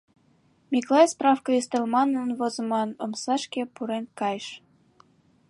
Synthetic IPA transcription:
mʲiklˠɑjsprɑfkəist̪elmɑnənvozə̆mɑnomsɑʃkʲepuɾenkɑjʃ

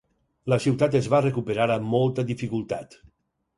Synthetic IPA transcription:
ləsiwt̪at̪ezβarekupeɾaɾamːɔlˠt̪əðifikulˠt̪a̰t̪

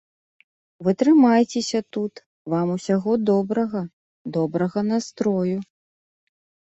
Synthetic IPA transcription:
vɨt̪ɾɨmajt͡sʲesʲɐt̪ut̪ | vamusʲaɣɔd̪ɔbɾɐɣɐ | d̪ɔbɾɐɣɐnast̪ɾɔju

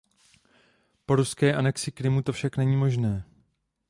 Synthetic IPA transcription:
po̞ɾuskɛːʔanɛksɪkɾɪmut̪o̞fʃaknɛɲiːmo̞ʒnɛː

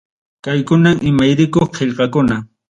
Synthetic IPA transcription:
kajkʊnamʔɪmajɾɪkoχqʰeʎqɑkʊna

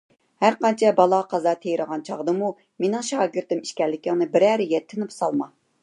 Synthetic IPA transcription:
hæɾqɑnt͡ʃʰɛbɑlˠɑqʰɑzɑt̪ʰejɾəʁɑnt͡ʃʰɑʁd̪ɨmu | menɪŋʃɑːɡʲɪɾt̪ɪmiʃkʲɛlːɪkʲɪŋnɨbɪɾæɾɪjʲɛt̪ʰːɪnɪpsɑlˠmɑ

